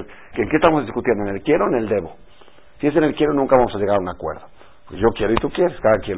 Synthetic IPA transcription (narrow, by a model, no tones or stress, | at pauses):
keːŋkest̪amozðiskut̪jend̪oenelkjeɾoeneld̪eβo | sies̬enelkjeɾonũŋkaβamosaʝeɣaɾunakwḛɾðo | okeʝokjeɾoit̪ukjeɾeskaðakjeɾ